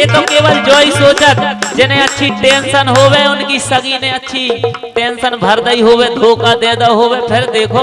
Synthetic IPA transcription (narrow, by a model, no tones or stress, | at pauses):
jeːt̪okeːʋəld͡ʒɔːisoːt͡ʃət̪d͡ʒɪnẽətːʃʰiʈẽːnsənɦoːʋeʊnkisəɡinẽətːʃʰi | ʈẽːnsənbʱəɾd̪əiɦoːʋẽt̪oːkad̪eːd̪aɦoːʋepʰɪɾd̪eːkʰo